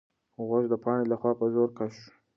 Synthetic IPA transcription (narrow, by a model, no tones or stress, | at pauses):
ɣʊʒd̪əpɑɳelaxwɑpəzoɾkaʃ